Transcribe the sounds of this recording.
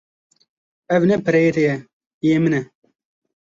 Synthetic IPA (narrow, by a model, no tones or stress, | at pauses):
ɛvnɛpɨɾɛjet̪ɛjɛ | ijemɨnɛ